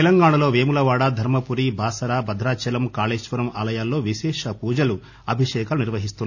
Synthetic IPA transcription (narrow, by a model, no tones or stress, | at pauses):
t̪elɐŋɡaːɳɐloːʋeːmulɐʋaːɽaːd̪ʱɐɾmɐpuɾibʱaːsɐɾaːbɐd̪ʱɾaːt͡ʃɐlɐmkaːleːʂʋɐɾɐmaːlɐjaːlːo̞ːʋiʃɛːʂɐpuːd͡ʒɐlu | ɐbʱiʂɛːkɐluniɾʋɐɦist̪un